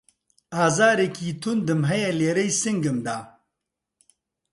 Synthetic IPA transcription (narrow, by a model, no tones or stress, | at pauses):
aːzaːɾekiːt̪ʰund̪ɨmɦɐjɐleːɾɐjsiŋɡɨmd̪aː